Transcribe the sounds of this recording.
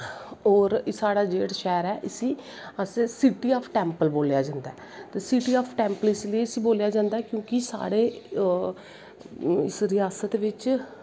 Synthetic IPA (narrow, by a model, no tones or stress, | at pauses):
ɔːɾsaːɽaːd͡ʒeːɽʃɛːɾɛːʔɪsiː | əsesiʈiːaːpʰʈɛːmpəlboːljaːd͡ʒãːnd̪aɛː | t̪eːsiʈiːaːpʰʈɛːmpəlɪsləiɪsiːboːljaːd͡ʒãːnd̪aɛːkjõːkɪsa̰ːɽeː | ɪsɾɪjaːsət̪ʋɪt͡ʃ